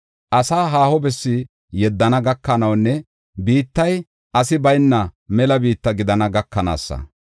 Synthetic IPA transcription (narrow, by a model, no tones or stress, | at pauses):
ʔɐsaːɦaːhɔbɛsːɪ | jɛd̪ːɐnɐɡɐkːɐnɐwnːɛ | biːt̪ːɐj | ʔɐsɪbɐjnːɐmɛlɐbiːt̪ːɐɡɪd̪ɐnɐɡɐkːɐna̰ːsːɐ̰